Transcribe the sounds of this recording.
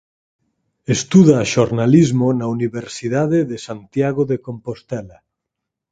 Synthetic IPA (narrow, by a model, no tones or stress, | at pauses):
est̪uðaːʃoɾnalizmonauniβeɾsiðaðeðesant̪jaɣoðekompost̪ɛla